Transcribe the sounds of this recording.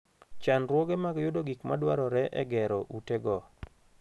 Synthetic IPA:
t͡ʃanɾwɔɡemaɡjʊdoɡikma̰dwaɾɔɾɛʔɛ̰ɡɛɾɔʔuteɡɔ

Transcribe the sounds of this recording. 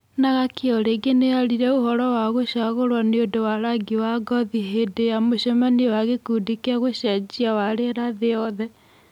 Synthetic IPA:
naɣakeɔɾeɡeneaɾiɾɛohɔɾɔwaɣoɕaɣoɾwaneodowaɾaɡiwaɡɔðiɦedeamoɕɔmaniwaɣekudikeaɣoɕad͡ʒiawaɾeɾaðeɔðɛ

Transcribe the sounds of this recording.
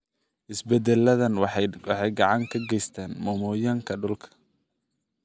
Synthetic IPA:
ʔɪsbɛd̪ɛlːɐðɐnwɑħɑjɡɑʕɑŋkʰɐɡɛjst̪ʰaːnmɔmɔːjɐŋkʰɐɖʊlkʰɐ̥

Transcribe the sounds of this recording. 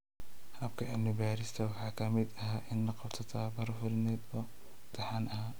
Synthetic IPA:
hɐbkʰɐɪbnɪbaːɾɪst̪ʰɐwɑħɑːkʰɐmɪd̪ɐɦaːʔɪnːɐqɑbt̪ʰɐt̪ʰaːbɐɾʊfʊɾɪnɛːd̪ɔː | t̪ʰɐħanʔɐɦaː

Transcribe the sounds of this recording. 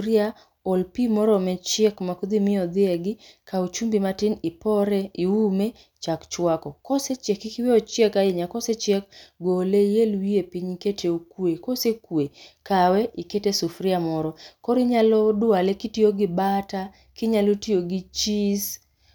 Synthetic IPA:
ɾɪa | olpimɔɾɔmɛt͡ʃɛkmakod̪imɪɔd̪ɪɛɡɪkaut͡ʃumbimatɪnɪpɔɾɛiume | t͡ʃakt͡ʃwakɔkɔset͡ʃɛkikɪweɔt͡ʃɛkaɪɲakɔset͡ʃɛk̚ɡolejelwiepiɲiketʰeukwekosekwekawɛiketesufɾɪamɔɾɔkoɾiɲalɔdʊalekitioɡɪbata | kɪɲalotioɡit͡ʃis

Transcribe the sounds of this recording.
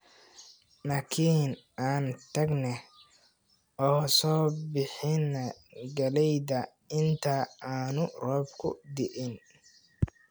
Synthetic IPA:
nɐkʰiːnʔaːnt̪ʰɐɡnɛ | ɔːsɔːbɪħɪnɐɡɐlɛjðɐ | ɪnt̪ʰɐaːnʊrɔːbkʰʊ̰d̪ɪʔɪn

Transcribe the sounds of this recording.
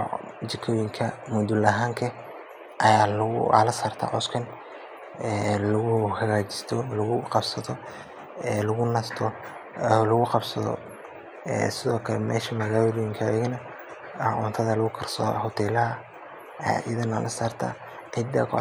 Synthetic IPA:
t͡ʃɪkʰɔːjɪŋkʰɐmʊd̪ʊlɐɦaːŋkʰɐ | ʔɐjaːlʊɣʊ̰a̰lɐsaːrt̪ʰa̰ːʕɔskʰɐn | ɛːlɐɣʊhɐɣaːt͡ʃɪ̥st̪ʰɔlɐɣʊqɑbsɐt̪ɔ | ɛːlɐɣʊnɐst̪ʰɔ | lɐɣʊqɑbsɐðɔ̰ | ɛ̰ːsɪðɔːkʰɐlɛmɛ̰ːʃɐmɐɣaːjlɔjɪŋkʰɐɛɣnɐ | hɑʔʊ̰ːnt̪ʰɐðɐlʊɣʊkʰɐrsɐ̰hɔt̪ʰɛːlɐɦɐ̰ | ʔɐðɐnɐlʔɐsaːrt̪ʰa̰ː | ʕɪd̪ɐ̰k

